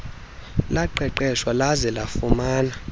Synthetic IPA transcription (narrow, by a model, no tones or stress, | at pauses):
laǃɛǃɛʃwalazɛlafumaːna